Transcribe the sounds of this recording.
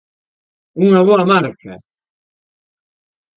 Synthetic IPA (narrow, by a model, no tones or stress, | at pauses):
uŋɐβoɐmaɾkʰɐ